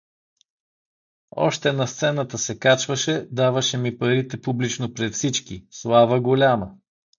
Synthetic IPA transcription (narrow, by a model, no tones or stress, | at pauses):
ɔ̰ʃt̪ɛnɐst̪sɛnət̪əsɛkat͡ʃvəʃɛd̪avəʃɛmipɐɾit̪ɛpublit͡ʃnopɾɛt̪fsit͡ʃkislˠavəɡolʲamə